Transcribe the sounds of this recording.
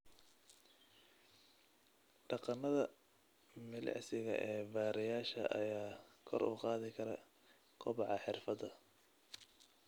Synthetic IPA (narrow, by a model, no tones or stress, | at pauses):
ɖɑqɑnɐðɐ | mɪlɛ̰ʕsɪɣɐʔɛːbaːɾɪjaːʃɐ̰ʔɐ̰jaːkʰɔ̰rṵːqɑːðɪkʰɐɾɐ | qʰʊβɑʕɑħɪrfɐd̪ɐ